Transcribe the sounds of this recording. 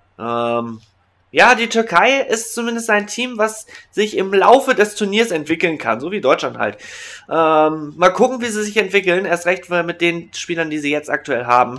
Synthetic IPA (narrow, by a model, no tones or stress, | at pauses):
ʔɛm | jaːdiːtʰʏɐkʰaɪʔɪstt͡sumɪndəstʔaɪntʰiːmvasz̥ɪçɪmla̰ʊfədɛstʰuɐniːɐsɛntv̥ɪkl̩nkʰa̰nzoːviːdɔʏt͡ʃlantha̰ltʔɛːmːaːlkʰʊkŋ̩viːziːzɪçɛntv̥ɪkl̩neːɐstʁɛçtfmɪt̚d̥eːnʃpiːlɐndiːziːjɛt͡stʔa̰k̚tʰuɛlɦa̰ːbm̩